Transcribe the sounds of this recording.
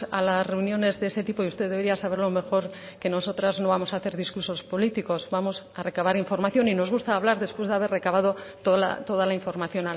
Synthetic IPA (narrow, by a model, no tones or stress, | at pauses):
a̰lasre̞unjo̞ne̞zðeese̞t̪ipo̞iust̪e̞ðeβeiasaβe̞ɾlo̞me̞xo̞ɾ | ke̞no̞so̞t̪ɾazno̞βamo̞saːθe̞ɾðiskuɾso̞spo̞lit̪iko̞zbamo̞sare̞kaβaɾiɱfo̞ɾmaθjo̞nino̞zɣust̪aːβ̞laɾðe̞spwe̞zðeaβ̞e̞re̞kaβað̞o̞t̪oa̰t̪o̞ðalaiɱfo̞ɾmaθjo̞na